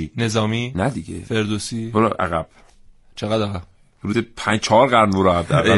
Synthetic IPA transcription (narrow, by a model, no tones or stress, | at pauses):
ine̞zɒːmiːnæd̪iɡḛfe̞ɾd̪osiːboɾɔʔæ̰ɣæb̥ | t͡ʃʰeɣæd̪æɣæb̥ | hoɾuːzepʰænd͡ʒt͡ʃʰɒːɾɣæɾmmoɾɒhæb̚d̪æ̰ɾ